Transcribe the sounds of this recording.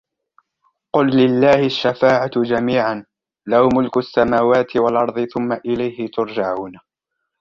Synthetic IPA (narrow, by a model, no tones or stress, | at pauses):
qʊlːɪlːaːhɪʃːafaːʕad͡ʒamiːʕan | lahmʊlkʊʔasːamaːwaːt̪ʰɪwalʔɑɾˤðˤɨθʊmːaʔɪlajhɪt̪ʊɾˤd͡ʒaʕuːna